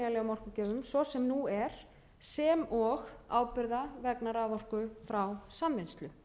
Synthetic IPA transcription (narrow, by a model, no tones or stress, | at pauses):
ɣalɛɣamɔr̥kʏcɛːðʏmsɔsɛmnuɛɾ̥ | sɛmɔɣaːwpɪɾðavɛknaɾavɔr̥kʏfɾawsamvɪnst̪lʏ